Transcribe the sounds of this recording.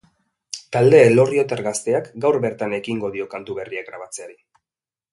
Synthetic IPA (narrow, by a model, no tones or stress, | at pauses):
t̪ald̪e̞ːlo̞rio̞t̪eɾɣast̪e̞akɡawɾbe̞ɾt̪ane̞kiŋɡo̞ð̞io̞kant̪uβe̞riakɡɾaβ̞at͡se̞aɾi